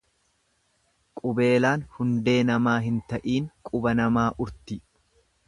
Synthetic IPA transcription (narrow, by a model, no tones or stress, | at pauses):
kʼʊbe̞ːlaːnhʊnd̪e̞ːnɐmaːɦɪnt̪ɐʔiːŋkʼʊbɐnɐmaːʔʊɾt̪ɪ